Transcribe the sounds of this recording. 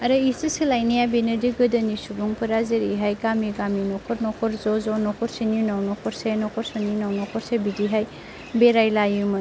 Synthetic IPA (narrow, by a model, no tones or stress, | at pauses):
ɐɾɯisisilajnijabenediɡɯdɐnisubuŋpɯɾazeɾiɦajɡamiɡaminɔkʰɔɾnɔkʰɔɾzɔzɔnɔkʰɔɾsinjunawnɔkʰɔɾsenɔkʰɔɾsɔninawnɔkʰɔɾsebidiɦaj | beɾajlajumɐ